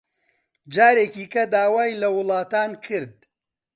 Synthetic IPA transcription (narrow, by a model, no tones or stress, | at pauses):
d͡ʒaːɾeːkiːkɐd̪aːwaːjlɐwʊlˠɑːt̪aːnkʰɨɾd̪̚